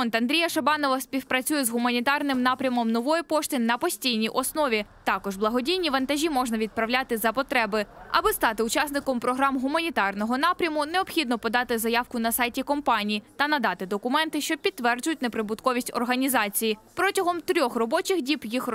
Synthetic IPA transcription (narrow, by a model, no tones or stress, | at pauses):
ɔnt̪ɐnd̪ɾʲijɐʃɐbɑnɔʋɐspʲiwpɾɐt͡sʲujɛzɦʊmɐnʲit̪ɑrnɪmnɑpɾʲɐmɔmnɔʋɔjɛpɔʃt̪ɪnɐpɔsʲtʲijnʲijʔɔsnɔʋʲit̪ɑkɔʒblˠɐɦɔdʲijnʲiʋɐnt̪ɐʒʲimɔʒnɐʋʲid̪̚pɾɐwlʲat̪ɪzɐpɔt̪ɾɛbɪɐ̰bɪst̪ɑt̪ɪʊt͡ʃɑsnɪkɔmpɾɔɦɾɑmɦʊmɐnʲit̪ɑrnɔɦɔnɑpɾʲɐmʊneɔpxʲid̪nɔpɔd̪ɑt̪ɪzɐjɑwkʊnɐsɑjtʲikɔmpɑnʲijit̪ɐnɐd̪ɑt̪ɪd̪ɔkʊmɛnt̪ɪʃt͡ʃɔpʲid̪ːʋɛrd͡ʒʊjʊtʲnepɾɪbʊt̪kɔʋʲisʲtʲɔ̰rɦɐnʲizɑt͡sʲijipɾɔtʲɐɦɔmt̪ɾʲɔxrɔbɔt͡ʃɪxdʲipjix